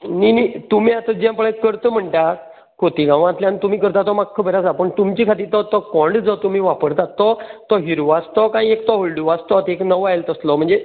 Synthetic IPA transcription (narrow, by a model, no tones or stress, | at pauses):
ninit̪um̤iat̪ə̃d͡ʑɛ̃mpəɭekːəɾt̪əm̤əɳʈ̪a | kot̪iːɡãʋ̃ãt̪ljãnt̪um̤iːkəɾt̪at̪ɔmakʰːəbʱəɾasapəɳt̪umt͡ɕikʰat̪iːɾt̪ɔt̪ɔkɔɳɖd͡zɔt̪um̤iːʋapəɾt̪at̪ːɔt̪ɔɦiɾuʋast̪ɔkãĩekt̪ɔɦoɭɖuʋast̪ɔt̪eknəʋajlt̪əslɔm̤əɳd͡ze